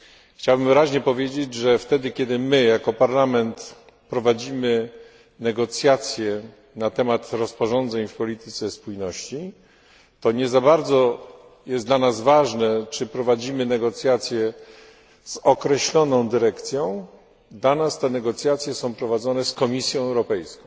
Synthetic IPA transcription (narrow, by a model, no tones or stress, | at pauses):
xt͡ɕawbɘmvɘɾaʑɲɛpɔvʲjed͡ʑed͡ʑʐɛft̪ɛd̪ɘkʲɛd̪ɘmɘjakɔpaɾlamɛnt̪ | pɾɔvad͡ʑimɘ | nɛɡɔt̪sʲjat̪sʲjɛ | nat̪ɛmat̪ɾɔspɔʐɔnd̪zɛɲfpɔlʲit̪ɘ̥t̪sɛspujnɔɕt͡ɕi | t̪ɔɲɛzabaɾd̪zɔ | jɛsd̪lanazvaʐnɛt͡ʂɘpɾɔvad͡ʑimɘnɛɡɔt̪sʲjat̪sʲjɛ | z̥ɔkɾɛɕlɔnɔ̃w̃d̪ɘɾɛkt̪sʲjɔ̃w̃ | d̪lanast̪ɛnɛɡɔt̪sʲjat̪sʲjɛsɔ̃w̃pɾɔvad̪zɔnɛskɔmʲisʲjɔ̃w̃ɛwɾɔpɛjskɔ̃ww̃